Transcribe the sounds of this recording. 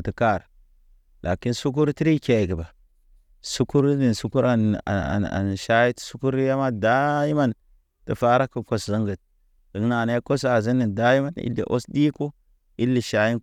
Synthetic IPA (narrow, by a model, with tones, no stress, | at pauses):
ti˨ka˦˨ɾ | lʔa˨ki˦nsu˦k̬u˦ɾti˦ɾi˦ke˨ɡi˨ba˨ | su˦ku˦ɾni˨nsu˦ku˦ɾa˨na̰˨a̰˨a̰˨nʃa˦ji˦tsu˦ku˦ɾja˦ma˦da˦ji˦ma˦n | ti˨fa˦ɾa˦kːu˨ko˨szə˦ŋɡə˨t̚ | də˨kna˨na˦a˦ko˦s̬a˨zi˦nːi˨nda˦ji˦ma˦nḭ˦lːḭ˨ʔo̰˦sdi˦ko˦ | i˦lːi˨ʃa˨˦ji˦n